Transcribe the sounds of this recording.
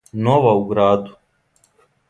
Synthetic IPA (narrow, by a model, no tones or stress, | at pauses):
noʋauɡɾaːd̪u